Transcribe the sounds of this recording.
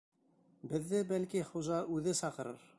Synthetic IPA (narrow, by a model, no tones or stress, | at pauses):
bɘ̆ðːɘbælkiχuʒɑʔʉðɘsɑqɤ̆ɾɤ̰ɾ